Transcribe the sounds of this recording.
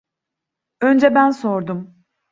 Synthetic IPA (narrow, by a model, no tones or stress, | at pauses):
ø̞nd͡ʒɛbænso̞ɾd̪um